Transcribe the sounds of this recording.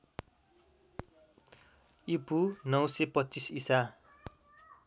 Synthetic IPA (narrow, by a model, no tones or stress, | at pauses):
ipunʌwsepʌt͡sisisa